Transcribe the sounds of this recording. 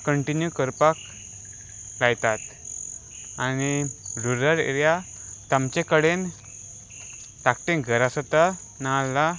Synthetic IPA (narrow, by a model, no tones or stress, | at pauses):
kəɳʈinjukəɾpak | lajt̪at̪ | aniɾuɾəɾḛɾjat̪amt͡ɕẽkəɽen | t̪ak̚ʈẽnɡʱəɾasət̪a | nalːa